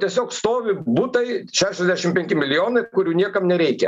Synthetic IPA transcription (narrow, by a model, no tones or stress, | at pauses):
t̪ʲiɛsʲoːkst̪oːʋʲɪbuːt̪ɐɪʃʲæːʃʲɛzʲd̪ʲæːʃʲɪmpʲɛŋʲkʲɪmʲɪlʲɪjoːnɐɪkʊɾʲuːnʲiɛkɐmnʲɛɾʲɛɪkʲɛ̰